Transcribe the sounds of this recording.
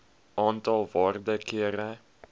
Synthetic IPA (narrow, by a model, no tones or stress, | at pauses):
ʔɑːntɑlˠvɑːrdəkiəɾə